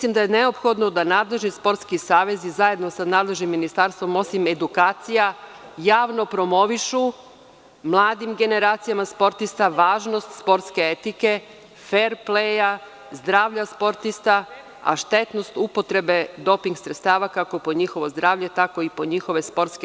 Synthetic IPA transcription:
mislˠimd̪ajeneopxo̞d̪nod̪anaːd̪le̞ʒnispo̞ɾt̪skisaːʋe̞zizaje̞d̪no̞sanaːd̪le̞ʒnimːinist̪aɾst̪ʋo̞mo̞sime̞d̪ukaːt̪sija | jaːʋno̞pɾo̞mo̞ʋiʃu | mlˠaːd̪imɡe̞ne̞ɾaːt̪sijamaspo̞ɾt̪ist̪aʋaːʒnost̪spo̞ɾt̪ske̞et̪ike̞ | feɾpleja | zd̪ɾaːʋʎaspo̞ɾt̪ist̪a | a̰ʃt̪e̞t̪no̞st̪upo̞t̪ɾe̞be̞d̪o̞piŋɡsɾet̪st̪aːʋakako̞poɲixo̞ʋo̞zd̪ɾaːʋʎe̞t̪ako̞ipo̞ɲixo̞ʋe̞spo̞ɾt̪ske

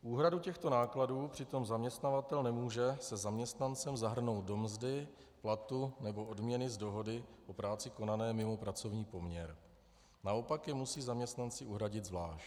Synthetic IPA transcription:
ʔuːɦɾaducɛxt̪o̞naːkladuːpr̥ɪt̪o̞mzamɲɛst̪navat̪ɛlnɛmuːʒɛsɛzamɲɛst̪nant͡sɛmzaɦr̩no̞wt̪̚do̞mzdɪ | plat̪unɛbo̞ʔo̞dmɲɛnɪzdo̞ɦo̞dɪʔo̞pɾaːt͡sɪko̞nanɛːmɪmo̞pɾat͡so̞vɲiːpo̞mɲɛɾ | naʔo̞pakjɛmusiːzamɲɛst̪nant͡sɪʔuɦɾaɟɪd̪zvlaːʃ

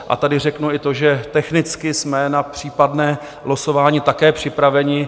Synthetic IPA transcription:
ʔa̰t̪adɪr̝ɛknuɪt̪o̞ʒɛt̪ɛxnɪt͡skɪsmɛnapr̝̥iːpadnɛː | loso̞vaːɲɪt̪akɛːpr̝̥ɪpɾavɛɲɪ

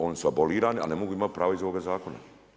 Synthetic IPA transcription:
o̞ːnisuaboliːɾaːnia̰nemo̞ɡuːimat̪̚pɾaːʋoizoʋoːɡazaːko̞na̰

